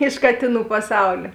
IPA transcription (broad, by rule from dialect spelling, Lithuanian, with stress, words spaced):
ɪʃ ˈkɑːtʲeːˌnuː pɐˈsɐʊlʲeː